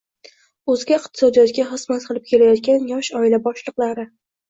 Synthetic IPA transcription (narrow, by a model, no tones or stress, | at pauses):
ɵzɡʲaɪqt̪ʰɪsɒd̪ijɒt̪̚ɡʲaχɨsmat̪qʰɨlˠɪp̚kʲʰe̞lajɒt̪kʲanjɒʃɒɪlabɒʃlˠɨqlˠaɾɪ